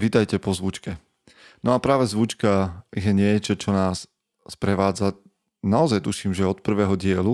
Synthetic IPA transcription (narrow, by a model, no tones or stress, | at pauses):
ʋit̪ajcɛpɔzʋut͡ʃkɛ | nɔapɾaːʋɛzʋut͡ʃkajɛɲɪɛt͡ʃɔt͡ʃɔnaːs | spɾɛʋaːd͡za | naɔzajt̪uʃiːmʒɛɔt̪̚pr̩ʋɛːɦɔɟɪɛlu